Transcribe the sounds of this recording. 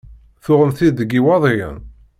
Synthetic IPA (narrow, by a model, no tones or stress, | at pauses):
θʊʁəmθid̪əɡiwɑðˤijə̰n